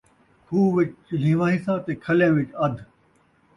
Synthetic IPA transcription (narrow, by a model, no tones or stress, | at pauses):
kʰuːʋɪt͡ʃt͡ʃlĩːʋãːɦĩːsãːt̪eːkʰɐlẽːʋɪt͡ʃɐd̪ʱ